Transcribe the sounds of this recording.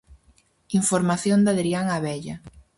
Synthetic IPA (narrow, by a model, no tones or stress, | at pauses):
iɱfoɾmaθjond̪aðɾiaŋaβɛʎɐ